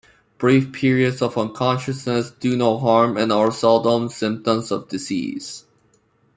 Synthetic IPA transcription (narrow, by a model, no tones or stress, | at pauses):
b̥ɹifpʰɪɹiɨdzʌvə̃nkʰɑ̃nʃɨsnəsd̥ɨnoʊɦɑɹmɪ̃naʊə˞sɛlˠdə̃nsɪ̃mp̚tə̃mzʌvdɨsḭz̥